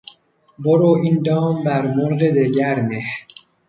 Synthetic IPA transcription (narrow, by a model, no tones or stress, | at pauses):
boɾoːʔind̪ɒːmbæɾmoɾɣed̪eɟæɾneh